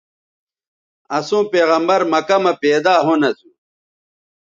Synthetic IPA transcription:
ɐsũːpeːɣɐmbɐɾmɐkɐmɐpeːd̪aːɦonɐsu

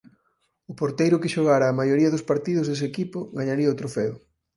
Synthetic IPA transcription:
ʊpoɾt̪ejɾʊkɪʃoɣaɾaːmajoɾiɐðʊspaɾt̪iðʊzðes̬ɪekipʊɣaɲaɾiɐot̪ɾofɛʊ

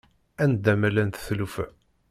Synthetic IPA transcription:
ænd̪æmælænθθlufæ̰

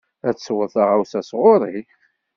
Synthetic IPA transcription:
æt͡sːswəðθˤaʁawsæsʁoɾˤḭ

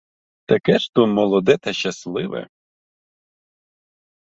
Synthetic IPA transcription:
t̪ɐkɛʃt̪umɔlˠɔd̪ɛt̪ɐʃɐslˠɪʋɛ̰

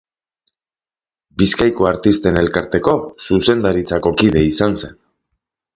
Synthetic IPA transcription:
biskajko̞aɾt̪ist̪e̞ne̞lkaɾt̪e̞ko̞suse̞nd̪aɾit͡sako̞kiðe̞isanse̞n

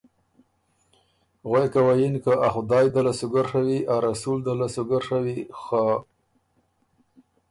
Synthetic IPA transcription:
ɣwajkawajinkaʔaxʊd̪ɑːjd̪alasʊɡaɾʂawiʔaɾasuld̪alasʊɡaɾʂawixa

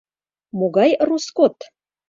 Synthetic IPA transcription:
moɡɑjruskot̪

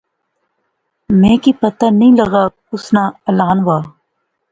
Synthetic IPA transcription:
mẽːkipət̪anəĩːləɣaː | ʊsnaːɐlaːnʋaː

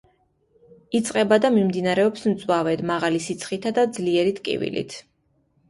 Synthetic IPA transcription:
it̪sʼqʼɛbad̪amimd̪inaɾɛɔpsmt̪sʼwavɛd̪maʁalisit̪sʰχʼit̪ʰad̪ad̪zliɛɾit̪ʼkʼḭvḭlḭt̪ʰ

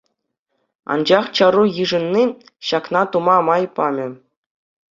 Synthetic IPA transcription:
ɑ̰nd͡ʑɑχt͡ɕɑɾujɯʐɤ̆nʲːi | ɕɑknɑt̪umɑmɑjpɑmʲɘ̆

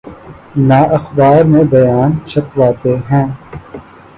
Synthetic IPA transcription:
naːʔɐxbaːɾmẽbɐjaːnt͡ʃʰɐpwaːt̪eɦɛ̃ː

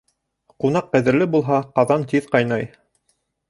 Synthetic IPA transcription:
qun̪ɑq̚qæðɘ̆ɾlɘbulˠɦɑqɑðɑnt̪iðqɑjnɑj

